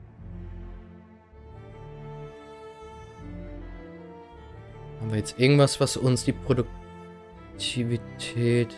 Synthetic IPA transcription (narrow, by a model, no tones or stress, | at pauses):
haːmviːɐjɛt͡stʔɪɐɡŋ̩tv̥asv̥asʊnsd̥iːpʁ̥odʊk̚ | tʰivitʰɛːt